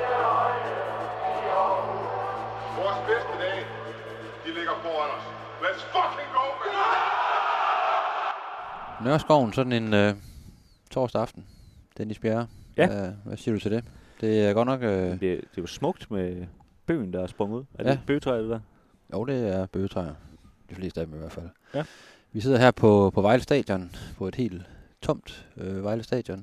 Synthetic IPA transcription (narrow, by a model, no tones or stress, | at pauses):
ʋɒːsb̥esd̥əd̥ɛ̰ː | d̥ileɡ̥ɐb̥ɔɐd̥ɒs | ʋæsfɒkʰeŋɡ̥o̰ːm | nɶɐsɡ̥ɒʊ̰n̩sɒ̽d̥n̩enø | t͡sʰɒ̰ːsd̥əɑ̈fd̥n̩d̥enisb̥jæɐjææʋʔæsḭːɐd̥ut͡sʰe̝d̥e̝d̥e̝æɐɡ̥ɒ̽d̥nɒ̽ɡ̥ød̥e̝ʋɑsmɔ̽ɡ̥̚d̥me | b̥ø̰ːnd̥ɑ̈æsb̥ʁɔ̽ŋəuð̰ˠæɐjeæb̥øːt͡sʰʁɑɪɐd̥edɛɐ | jʔoʊd̥e̝æɐb̥ø̰ːt͡sʰʁɑɪ̰ɐ | d̥ifle̝̰ːsd̥æd̥emiʋæɐfæl̰ | ʋis̬e̝ð̰ˠɐɦæɐ̰pʰɒ̽pʰɒ̽ʋɑ̈ɪləsd̥ɛ̰ːd̥jɔ̽npʰɒ̽e̝d̥he̝̰ːld̥ | t͡sʰɒ̽m̰d̥øʋɑ̈ɪləsd̥ɛ̰ːd̥jɔ̽n